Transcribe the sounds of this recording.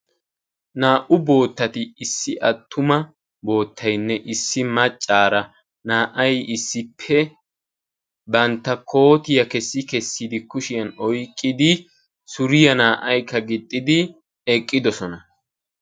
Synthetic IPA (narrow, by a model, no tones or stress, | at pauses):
naːʔʊbo̞ːt̪ːɐt̪ɪːsːɪʔɐt̪ʰːʊmɐ | bo̞ːt̪ʰːɐjnːɛʔɪsːɪmɐt͡ʃʼːaːɾɐ | naːʔɐjɪsːɪpʰːɛ | bɐnt̪ːɐkʰo̞ːt̪ɪjɐkɛsːɪkɛsːid̪ɪkʊʃɪjɐnɔjkʼːɪd̪ɪ | sʊɾɪjɐnaːʔɐjkːɐɡɪt̪ʼːɪd̪ɪ | ɛkʼːɪd̪ɔsɔnɐ